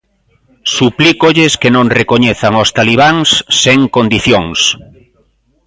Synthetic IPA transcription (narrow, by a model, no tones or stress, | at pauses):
suplikoʎeskenõnrekoɲeθaŋost̪aliβ̞aŋsːeŋkõnd̪iθjoŋs